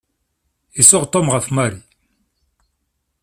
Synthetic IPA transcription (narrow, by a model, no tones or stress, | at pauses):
isɔʁt̪ɔmʁafmaɾi